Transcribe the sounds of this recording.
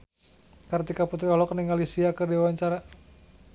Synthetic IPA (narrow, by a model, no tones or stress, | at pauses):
kərt̪ikaput̪ɾiɔlɔkniŋalisiakərdiwaɲt͡ʃaɾa